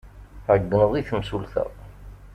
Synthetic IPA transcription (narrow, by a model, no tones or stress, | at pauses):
ʕəɡːənəðˤiθəmsulθæ̰